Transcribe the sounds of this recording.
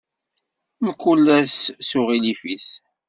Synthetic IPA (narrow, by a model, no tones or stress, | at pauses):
məkːulːæssʊʁilifis